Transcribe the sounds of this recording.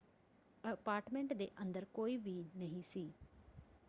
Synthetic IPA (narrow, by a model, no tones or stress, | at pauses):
əpaːɾʈmẽɳʈd̪eːʔənd̪əɾkoːiːʋiːnəɦĩːsiː